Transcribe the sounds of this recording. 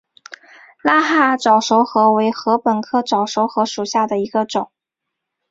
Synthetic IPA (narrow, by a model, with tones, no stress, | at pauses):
la˥xa˥˩ʈ͡ʂɑ˨˩ʊʂo˧˥ʊxɤ˧˥we˧˥ɪxɤ˧˥pə˨˩nkʰɤ˥˩ʈ͡ʂɑ˨˩ʊʂo˧˥ʊxɤ˧˥ʂu˨˩ɕja˥˩d̪ə˩i˧˥ɡə˧ʈ͡ʂʊ˨˩˦ŋ